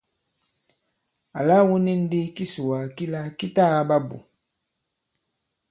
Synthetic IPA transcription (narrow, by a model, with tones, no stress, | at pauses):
a̰˨la˦wu˦ni˦n̩˦di˦ki˦su˨wa˨ki˦la˦ki˦ta˦˨˦ba˦bṵ˨